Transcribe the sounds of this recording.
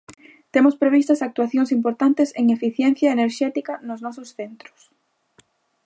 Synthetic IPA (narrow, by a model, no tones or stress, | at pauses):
t̪emʊspɾeβ̞ist̪ɐsak̚t̪uaθjoŋsimpoɾt̪ant̪eseŋefiθjɛn̟θjɐeneɾʃɛt̪ikɐnʊznɔsʊsθent̪ɾʊ̥s